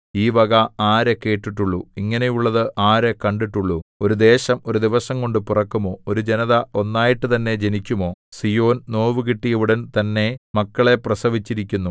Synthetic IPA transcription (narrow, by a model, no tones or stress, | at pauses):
iːʋɐɣɐaːɾe̞ke̞ːʈːiʈːuɭːuiŋːɐnejuɭːɐðɨʔaːɾe̞kɐɳɖiʈːuɭːuo̞ɾud̪e̞ːɕɐmo̞ɾud̪iʋɐsɐŋko̞ɳɖɨpurɐkːumo̞ːoɾud͡ʑenɐðɐo̞nːaːjiʈːɨt̪ɐnːe̞d͡ʑenikʲːumo̞ːsijo̞ːnno̞ːʋɨk̬iʈːijeʋuɽɐnt̪ɐnːe̞mɐkːɐɭe̞prɐsɐʋit͡ɕːiɾikʲːunːu